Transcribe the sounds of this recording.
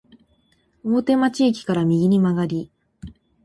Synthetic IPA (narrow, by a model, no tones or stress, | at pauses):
oːt̪e̞mat͡ɕiːk̬ʲi̥kaɾamʲiɡʲiɲ̟imaɡaɾʲi